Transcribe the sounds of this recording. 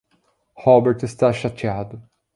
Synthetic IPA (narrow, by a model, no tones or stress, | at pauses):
hɔbeɾt̪ɪst̪aʃat͡ʃiad̪ʊ